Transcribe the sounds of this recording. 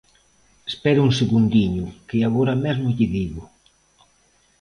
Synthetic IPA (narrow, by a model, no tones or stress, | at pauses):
espɛɾʊuŋseɣund̪iɲʊkɪaɣoɾamɛzmʊʎɪðiɣʊ